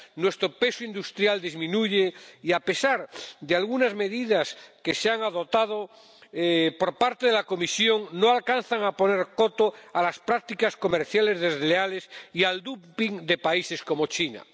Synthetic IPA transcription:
nwe̞st̪ɾope̞soind̪ust̪ɾjald̪izmĩnuʝeiape̞saɾd̪ealɣunazme̞ðiðaske̞seaŋaðo̞t̪að̞o | po̞ɾpaɾt̪eðelako̞misjo̞ŋno̞alkanθaŋapo̞ne̞ɾko̞t̪oalaspɾak̚t̪ikasko̞meɾθjale̞zðe̞zleale̞siald̪upiŋd̪e̞paise̞sko̞mo̞t͡ʃina̰

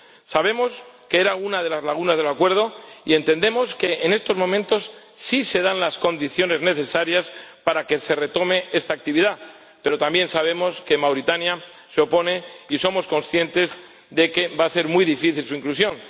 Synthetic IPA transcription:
saβ̞e̞mo̞ske̞e̞ɾaunaðe̞lazlaɣ̞unazðe̞lakwe̞ɾð̞o̞ie̞nt̪e̞nd̪e̞mo̞ske̞ːne̞st̪o̞zmõ̞mẽnt̪o̞sː | ise̞ðanlasko̞nd̪iθjo̞ne̞zne̞θe̞saɾjaspaɾake̞se̞re̞t̪o̞me̞ʔe̞st̪aːk̚t̪iβiða | pe̞ɾo̞t̪ambje̞nsaβ̞e̞mo̞ske̞mawɾit̪anja | seo̞po̞ne̞iso̞mo̞sko̞nsθje̞nt̪e̞z | ðe̞ke̞base̞ɾmuijðifiθilsuiŋklusjõ̞n

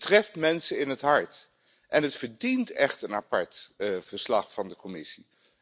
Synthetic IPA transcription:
trɛftmɛnsəɪnɦətɦɑɹt | ʔɛnɦətfəɹdintɛχtənɑpɑɹtvəɹslɑχfɑndəkɔmɪsi

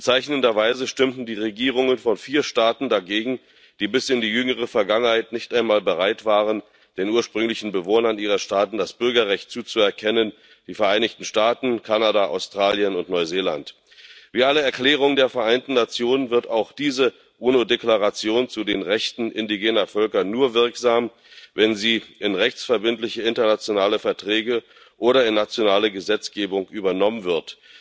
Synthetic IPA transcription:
b̥ət͡saɪçnəndɐvaɪzəʃtɪmtn̩diːʁeɡiːʁ̞ʊŋənfɔnfiːɐʃtaːtn̩daɡeːɡŋ̩ | d̥iːbɪsɪndiːjʏŋəʁ̞əfɛɐɡaŋənhaɪtnɪçtʔaɪnmaːlbəʁaɪtv̥aːʁən | d̥eːnʔuːɐʃpʁ̥ʏŋlɪçn̩bəvoːnɐnʔiːʁɐʃtaːtn̩dasb̥ʏɐɡɐʁɛçt̚t͡suːt͡suɛɐkʰɛnən | d̥iːfɛɐʔaɪnɪçtn̩ʃtaːtn̩kʰanadaʔa̰ʊstʁ̥aːljənʊntnɔʏzeːlant | v̥iːʔaləɛɐkl̥ɛːʁ̞ʊŋdeːɐfɛɐʔaɪntn̩nat͡sjoːnənvɪɐtaʊxd̥iːzə | ʔuːnodeklaʁat͡sjoːnt͡sudeːnʁɛçtn̩ʔɪndiɡeːnɐfœlkɐnuːɐvɪɐkz̥aːm | vɛnziːʔɪnʁɛçt͡sfɛɐbɪntlɪçəɪntɐnat͡sjonaːləfɛɐtʁ̥ɛːɡə | ʔoːɾɐɪnːat͡sjonaːləɡəzɛt͡sɡ̥eːbʊŋʔyːbɐnɔmənvɪɐt

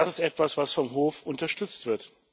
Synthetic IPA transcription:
asɪstʔɛtv̥asv̥asfɔmɦoːfʊntɐʃtʏt͡stv̥ɪɐt

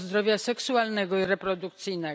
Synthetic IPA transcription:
zd̪ɾɔvʲjasɛksualnɛɡɔiɾɛpɾɔd̪uktt̪sɘjnɛ

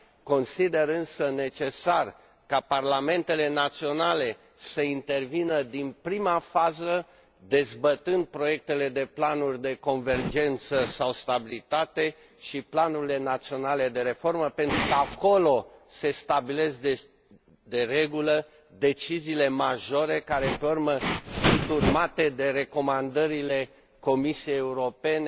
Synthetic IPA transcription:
ko̞nsid̪e̞ɾɨnsəne̞t͡ʃe̞sar | kaparlame̞nt̪e̞le̞nat̪sio̞nale̞ | səint̪e̞rvinəd̪inpɾimafazə | d̪e̞zbət̪ɨnd̪̚pɾo̞je̞k̚t̪e̞le̞d̪e̞planurʲd̪e̞ko̞nve̞rd͡ʒe̞nt̪səsawst̪abilit̪at̪e̞ | ʃiplanuɾile̞nat̪sio̞nale̞d̪e̞ɾe̞fo̞rməpe̞nt̪ɾukəako̞lo̞se̞st̪abile̞zd̪e | d̪e̞re̞ɡulə | d̪e̞t͡ʃiziːle̞maʒo̞ɾe̞kaɾe̞p̪eorməʃit̪urmat̪e̞d̪e̞ɾe̞ko̞mand̪əɾile̞ | ko̞misijejeuɾo̞pe̞ne

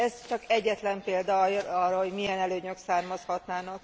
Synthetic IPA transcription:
ɛzt͡ʃɒkɛɟːɛt̪lɛmpeːld̪ɒɒrɒɦo̞ɟmijɛnɛløːɲøksaːrmɒshɒt̪naːnɒk

